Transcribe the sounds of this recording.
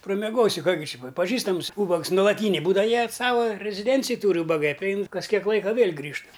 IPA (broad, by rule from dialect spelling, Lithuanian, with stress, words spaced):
prɐmʲɛˈɡoːsʲɪ ˈkɑː ɡʲɪ ˈt͡ʃʲɛ pɐ pɐˈʒʲiːstɐms ˈuːbɐks nʊlˠɐˈtʲiːnʲeː ˈbuːdɐʋɐ ˈjiɛ ˈsɑːʋɐ rʲɛzʲɪˈdʲɛnʲt͡sʲɪj ˈtuːrʲɪ uːbɐˈɡɐɪ pʲrʲɪˈɛɪn kɐs ˈkʲiɛk ˈlˠɐɪkɐ ˈʋʲeːlʲ ˈɡrʲiːʃt